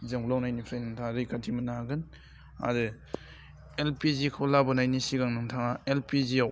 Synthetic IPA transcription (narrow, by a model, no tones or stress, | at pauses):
zɯŋbulawnajnipʰɾajnɯŋtʰaŋɾɯjkʰatʰimɯnaɡɯn | a̰dɯ | elpizikʰɯlabɯnajnisiɡaŋnɯŋtʰaŋaelpiziaw